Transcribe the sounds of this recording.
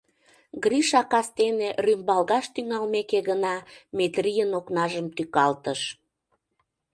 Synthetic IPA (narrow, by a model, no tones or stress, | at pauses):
ɡriʃɑkɑst̪enerymbɑlɣɑʃt̪yŋɑlmekeɣənɑmet̪rijənoknɑʒəmt̪ykɑlt̪əʃ